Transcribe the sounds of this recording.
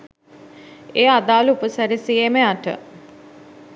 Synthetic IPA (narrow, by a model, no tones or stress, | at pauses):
eːad̪aːlupəsæɾisiemeaʈə̰